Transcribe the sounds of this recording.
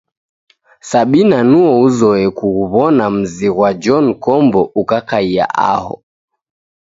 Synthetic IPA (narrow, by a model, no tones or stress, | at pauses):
saɓinanuɔuzɔɛkuɣuβɔnam̩ziɣwad͡ʒɔnkɔmbɔukakaia̰ʔa̰hɔ̰